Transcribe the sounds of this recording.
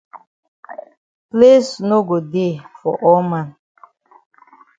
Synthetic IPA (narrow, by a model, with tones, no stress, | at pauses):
plesno˦ɡo˨de˦˨fɔ̰˨ʔɔ˦mã˨n